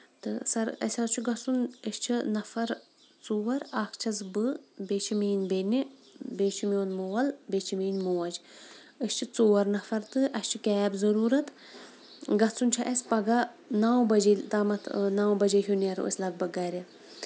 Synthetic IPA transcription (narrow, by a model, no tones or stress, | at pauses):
t̪ɨ̰sɐɾɐ̰sʲɐt͡ʃʰuɡɐt͡sunəst͡ʃʰinɐfɐɾ | t͡suːwɐɾaːkʰt͡ʃʰɐzbɨbeːt͡ʃʰimiːnbeni | beːt͡ʃʰimonmoːɐlbeːt͡ʃʰimiːnmuːwɐd͡ʒ | ɨst͡ʃʰit͡suːwɐɾnɐfɐɾt̪ɨʔɐst͡ʃʰikɛːbzɐɾuːɾɐt̪ | ɡɐt͡sunt͡ʃʰɐʔɐsʲpɐɡɐ | naːwbɐd͡ʒit̪aːmɐt̪ʰnaːwbɐd͡ʒeɦʲjuneɾo̰sʲlɐɡ̚bɐɡaːɾi